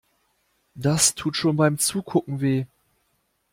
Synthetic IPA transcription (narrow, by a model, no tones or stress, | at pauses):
d̥astʰuːtʃoːnbaɪmt͡suːkʰʊkŋ̩veː